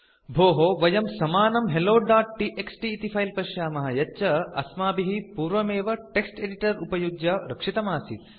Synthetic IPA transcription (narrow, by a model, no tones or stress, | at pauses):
bʱoːɦoʋɐjɐmsɐmaːnɐmɦeloːɖaːʈ̚ːiʔeksʈiːt̪ipʰɐjlpɐʃjaːmɐɦɐjɐt͡ʃɐɐ̰smaːbiɦipuːɾʋɐmeːʋɐʈeksʈeɖiʈɐɾupɐjuɡjaɾɐkʂit̪ɐmaːsit̪̚